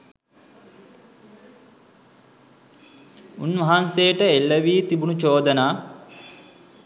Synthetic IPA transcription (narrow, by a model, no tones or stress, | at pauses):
unʋɐɦansejəʈəelːəʋiːt̪ibunut͡ʃoːd̪ənaː